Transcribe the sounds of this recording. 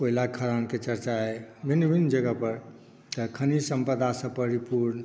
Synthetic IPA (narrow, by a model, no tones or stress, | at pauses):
koilakʰəɾanket͡ʃəɾt͡ʃaebʱinːbʱinːd͡ʒəɡəpəɾ | t̪əkʰənisəmpəd̪asə̃pəɾipuɾn